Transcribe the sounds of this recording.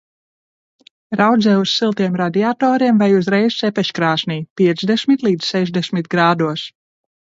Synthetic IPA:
ɾawd̪zɛːussilˠt̪iɛmɾad̪iat̪ɔːɾiɛmvajuzɾɛjzsɛpɛʃkɾaːsniːpiɛt̪zd̪ɛsʲmit̪lˠiːd̪z̥sɛʒd̪ɛsʲmit̪ɡɾaːd̪uɔs

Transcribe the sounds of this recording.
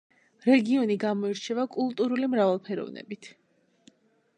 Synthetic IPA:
ɾɛɡiɔniɡamɔiɾt͡ʃʰɛvakʼulˠt̪ʼuɾulimɾavalˠpʰɛɾɔ̰vnɛ̰bit̪ʰ

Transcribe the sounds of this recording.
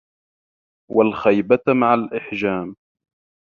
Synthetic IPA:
walxajbamaʕalʔɪħd͡ʒaːm

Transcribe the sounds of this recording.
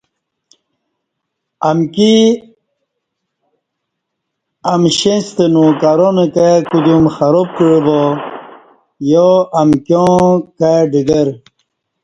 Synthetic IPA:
ɐmki | ɐmɕest̪enũkaɾonekakud̪jumxɐɾop̚kiɻibo | joɐmkjõkaɖiɡɐɾ

